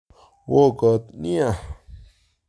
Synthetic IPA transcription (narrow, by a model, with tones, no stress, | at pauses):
wo˦kə˧˨t̪nĩ˦a˧˨